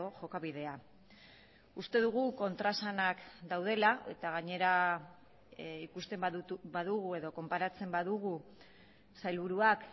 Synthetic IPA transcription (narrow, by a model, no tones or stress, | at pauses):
oʝo̞kaβiðe̞a | ust̪e̞ðuɣ̞uko̞nt̪ɾasanakd̪awð̞e̞laʔe̞̰t̪aɣaɲe̞ɾa | ikust̪e̞mbaðuɣue̞ðo̞ko̞mpaɾat͡se̞mbaðuɣ̞u | sajlβuɾuak